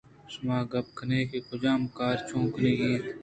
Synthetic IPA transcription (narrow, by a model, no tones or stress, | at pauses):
smaːɡɐb̚kʰəneːkekʰʊd͡ʒaːmkaːɾt͡ʃʰũːkəneːɡẽːt̪